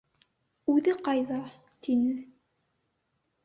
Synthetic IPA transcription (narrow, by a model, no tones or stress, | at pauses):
ʉðɘqɑjðɑ | t̪inɘ